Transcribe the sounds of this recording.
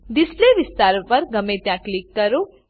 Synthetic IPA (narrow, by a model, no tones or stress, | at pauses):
d̪ɪsleʋɪst̪aːɾpɐɾɡɐmẽt̪jãklikːɐɾo